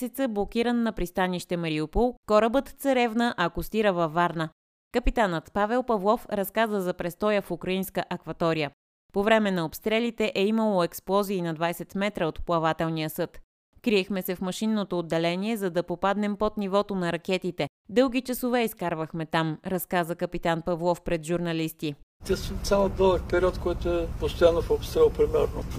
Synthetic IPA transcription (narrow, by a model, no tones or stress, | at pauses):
sɛt̪səblˠok̟iɾənːɐpɾist̪aniʃt̪ɛmɐɾiopulˠkɔɾəbət̪t̪sɐɾɛvnəʔɐkʊst̪iɾəvɐvːaɾnə | kəpit̪anət̪pavɛlˠpɐvlˠɔfɾɐskazəzɐpɾɛst̪ɔjəfukɾɐinskəʔɐkvɐt̪ɔɾijə | povɾɛmɛnɐopst̪ɾɛlit̪ɛʔɛiməlˠoɛksplˠɔziːnɐd̪vajsɛt̪mɛt̪ɾəot̪plˠɐvat̪ɛlˠnijəsɤt̪ | kɾiɛxmɛsɛfmɐʃinːot̪oːd̪ːɛlɛniɛzɐd̪ɐpopad̪nɛmpot̪nivɔt̪onɐɾɐkɛt̪it̪ɛ | d̪ɤlˠɡ̟it͡ʃɐsovɛiskaɾvəxmɛt̪amɾɐskazəkɐpit̪anpɐvlˠɔfpɾɛt̪ʒuɾnɐlist̪it̪ʲɛssamod̪ɤlˠək̚pɛɾʲiɔt̪kɔjt̪ʊɛpost̪ojanːofopst̪ɾɛlˠpɾimɛɾno